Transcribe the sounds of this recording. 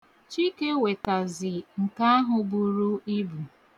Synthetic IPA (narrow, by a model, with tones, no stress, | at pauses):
t͡ʃi˦ke˦we˨ta˨zɪ˨ŋ̩˨ka˦ɦʊ˨bu˨ɾu˦i˦bu˨